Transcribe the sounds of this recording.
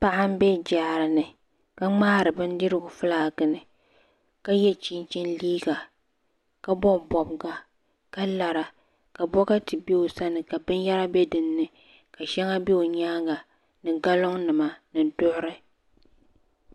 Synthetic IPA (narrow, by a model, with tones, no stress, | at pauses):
pa˨ʔa˦m̩˦bɛ˦d͡ʒaː˨ɾɨ˨nɨ˨ | ka˦ŋ͡maː˦ɾɨ˨bɨ˦n˦dɨ˦ɾɨ˦ɡʊ˨fɨ˦laː˨ɡɨ˨nɨ˨ | ka˦jɛ˦t͡ʃi˦nt͡ʃɛ˦nliː˦ɡa˨ | ka˦bɔ˦˨bɔ˨bɡa˨ | ka˦la˨ɾa˨ | ka˨bɔ˦ɣa˦tɨ˨be˦o˨sa˦nɨ˨ka˨bɨ˦nja˦ɾa˦bɛ˦dɨ˨nː˦ɨ˨ | ka˨ʃɛ˦ŋa˦be˦o˨ɲaː˦ɡa˨ | nɨ˨ɡa˦lo˦ŋnɨ˨ma˨nɨ˨dʊ˦ʔʊ˦ɾɨ˦